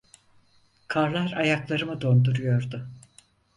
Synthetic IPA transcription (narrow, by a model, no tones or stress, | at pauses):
kʰaɾlˠaɾajaklˠaɾɯmɯd̪o̞nd̪uɾujo̞ɾd̪ʊ